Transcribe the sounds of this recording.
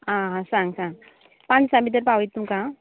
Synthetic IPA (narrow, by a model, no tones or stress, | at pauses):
aːasaːŋɡsãːŋ | paːnd͡ʒsambid̪ɐɾpaʋɐjt̪ːumkaː